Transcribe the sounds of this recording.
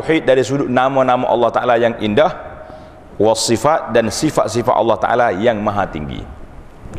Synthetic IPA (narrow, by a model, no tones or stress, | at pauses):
wħit̪̚daɾisuduʔnamãnãmãʔɑ̰lːɑht̪aʔalajaŋindah | wasːifat̪̚dansifa̰t̪̚sifa̰t̪ɑ̰lːɑht̪a̰ʔa̰lajaŋmaɦat̪ḭŋɡḭ